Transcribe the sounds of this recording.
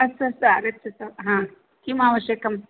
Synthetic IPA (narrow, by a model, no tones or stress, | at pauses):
ɐsɐsaɾɐtːʃʰɐsɐʋɦãː | kimaːʋɐʃjɐkɐm